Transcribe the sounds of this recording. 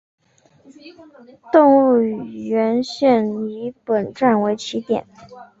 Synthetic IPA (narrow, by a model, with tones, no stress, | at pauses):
t̪ʊ˥˧ŋu˥˩˨ɥɛ˧˥nɕɥɛ˥˩ni˧˥pə˨˩nʈ͡ʂa˥˩nwe˧˥ɪt͡ɕʰi˧˥t̪jɛ̰˨˩˦n